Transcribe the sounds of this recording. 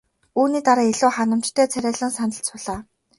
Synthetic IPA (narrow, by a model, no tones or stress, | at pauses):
uːniːt̪aɾaːeɮuːχanə̆m̥t͡ɕt̪ʰœːt͡sʰæɾʲaːɮə̆ŋsanə̆ɬt͡sʊɮaː